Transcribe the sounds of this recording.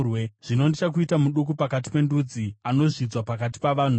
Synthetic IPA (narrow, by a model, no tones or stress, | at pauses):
weʐ̥ino̞ndit͡ʃak̬uitamuɗuk̬upakat̬i̥pe̞ndud͡ziano̞ʐid͡zwapakati̥paʋan̤u